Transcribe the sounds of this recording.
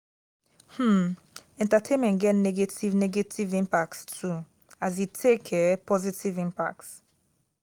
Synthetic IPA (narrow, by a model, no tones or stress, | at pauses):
hm̩ | ɛ̃ntatʰẽnmɛ̃ntɡɛtnɛɡetivnɛɡetivĩmpak̚tstʰu | azitʰekʰɛpʰɔzitivĩmpa̰k̚ts